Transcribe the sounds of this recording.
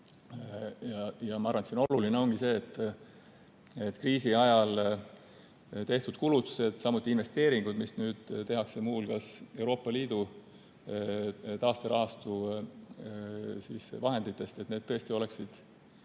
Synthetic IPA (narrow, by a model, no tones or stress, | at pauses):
jɑjɑmɑɑɾrvɑnesino̞lulineo̞ŋɡ̥ise̞ːt̪ːˑ | et̪kriːsiɑjɑl | t̪e̞ht̪ud̪̥kulut̪ːˑu̥se̞d̪̥sɑmut̪ːˑinve̞st̪e̞ːɾiŋɡ̥ud̪̥misnyːd̪̥t̪e̞ɦɑkse̞muːlkɑse̞wɾo̞ːpːˑɑliːd̪̥u | t̪ɑːst̪eɾɑɦɑst̪u | siːsvɑɦe̞nd̪it̪ːˑe̞st̪e̞t̪ne̞d̥̪t̪ɤest̪io̞le̞ksid̪̥